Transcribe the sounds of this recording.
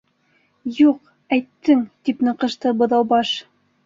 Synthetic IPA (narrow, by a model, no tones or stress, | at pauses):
juq | æjt̪ːɘŋt̪ipnɤ̆qɤ̆ʃt̪ɤbɤ̆ðɑwbɑʃ